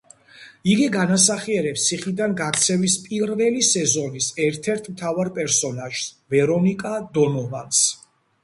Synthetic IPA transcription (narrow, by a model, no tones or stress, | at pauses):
iɡiɡanasaχiɛɾɛpst̪sʰiχid̪anɡaɾt̪sʰɛvispʼiɾvɛlisɛzɔnisɛɾt̪ʰɛɾt̪ʰmt̪ʰavaɾpʼɛɾsɔnaʒ̥svɛɾɔnikʼad̪ɔnɔvans